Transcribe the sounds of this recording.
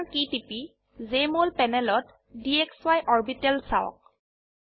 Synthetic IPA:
ɹkitipi | zemolpɛnɛlɔt | diɛkswajʔɔɹbitɛlsaɔ̰k̚

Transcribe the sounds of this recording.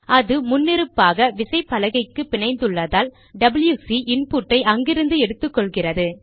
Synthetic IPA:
ʔɐðɯmʊnːɪɾɯpːaːɣɐʋɪsɐɪpːɐlɐɣɐɪkːɯpɪɳɐɪnd̪ɯɭːɐðaːl | ɖɐbljuːsiʔɪnpuːʈːɐɪʔɐŋɡɪɾɯnd̪ɯɛɽɯt̪ːɯkːɔɭɣɪrɐðɯ

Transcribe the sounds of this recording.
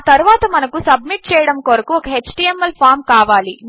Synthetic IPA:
t̪ɐɾuʋaːt̪ɐmɐnɐkusɐb̚miʈ̚t͡ʃɛːjɐɽɐmkoɾɐkuɔkɐɦet͡ʃʈiemːɐlpʰaːɾmkaːʋaːli

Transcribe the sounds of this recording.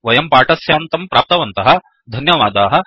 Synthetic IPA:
ʋɐjɐmpaːʈɐsjaːnt̪ɐmpɾʔaːp̚t̪ɐʋɐnt̪ɐɦɐ̆ | d̪ʱɐnjɐʋaːd̪aːɦɐ̆

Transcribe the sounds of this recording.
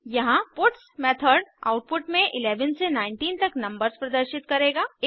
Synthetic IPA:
jɐɦãpʊʈsmɛːt̪ʰəɾɖa̰ːʊʈ̚pʊʈmẽʔɪleːʋənsenãːɪ̃ɳʈiːnt̪ɐknɐ̃mbəɾzpɾɐd̪əɾʃɪt̪kɐɾeːɡaː

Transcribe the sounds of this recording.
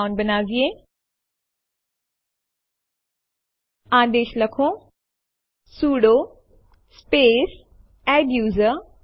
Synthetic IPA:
ʊ̃nɖbɐnaːziẽː | aːd̪eːʃlɐkʰõ | suːɽo | speːs | ɛ̃ːbjuːzə

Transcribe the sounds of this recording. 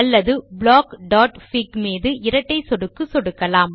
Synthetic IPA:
ɐlːɐðɯbɭaːkɖaːʈfikmiːðɯʔɪɾɐʈːɐɪsɔɽɯkːɯsɔɽɯkːɐlaːm

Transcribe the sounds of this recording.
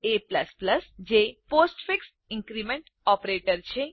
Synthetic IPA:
epləspləsd͡ʒeposʈfiks | ɪ̃ŋkɾimeɳʈ | ɔpɾeʈəɾt͡ʃʰe

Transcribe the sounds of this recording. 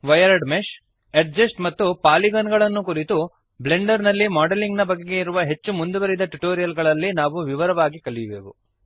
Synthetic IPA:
ʋɐjɐɾɐɖmeʃ | eʈ̚d͡ʒɐsʈmɐt̪ːupaːliɡɐnɡɐɭɐnːukuɾit̪u | ble̞ɳɖɐɾnɐlːimaːɖeliŋɡnɐbɐɡːeɡe̞iɾuʋɐɦe̞t͡ʃːumund̪uʋɐɾid̪ɐʈuʈoːɾijɐlɡɐɭɐlːinaːʋuʋiʋɐɾɐʋaːɡikɐɭijʋeːʋṵ

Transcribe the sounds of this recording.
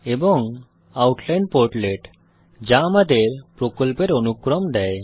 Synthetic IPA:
ebɔŋ | awʈlajnɖpoɾʈleʈ | d͡ʑamad̪eɾpɾokɔlpeɾonukːɾɔmd̪ɛj

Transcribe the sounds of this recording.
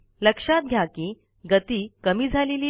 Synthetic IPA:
ləkʂat̪̚ɡʱjaki | ɡət̪iːkəmiːd͡zʱaleliː

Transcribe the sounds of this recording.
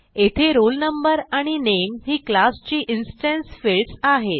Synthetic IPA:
et̪ʰeɾolnəmbəɾaɽ̃inemɦiːklast͡ɕiːʔinsʈẽnsfeɭsaɦet̪

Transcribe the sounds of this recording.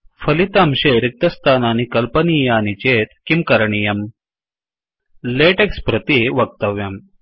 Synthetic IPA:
fɐlit̪amɕeːɾik̚t̪ɐst̪ʰaːnaːnikɐlpɐnijaːnit͡ɕeːt̪kimkɐɾɳijɐm | leːʈekspɾɐt̪iʋɐk̚t̪ɐʋjɐm

